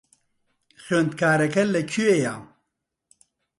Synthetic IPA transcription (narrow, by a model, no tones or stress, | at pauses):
xond̪̚kaːɾɐkɐlːɐkʰuejaːm